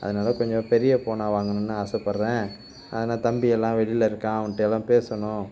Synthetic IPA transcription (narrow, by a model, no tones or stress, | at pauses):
ʔɐ̰ðɐnaːlɐkɔɲd͡ʒɔ̃pɛɾɪjɐpoːnaːʋaːŋɡɐɳʊnːɯɐsɐpːɐɾɾẽː | ʔɐ̰ðɐnaːt̪ɐmbɪjɛlːãːʋɛɽɪlɐɪɾɯkːãːɐʋɐnʈːeɛlːãːpeːsɐɳʊ̃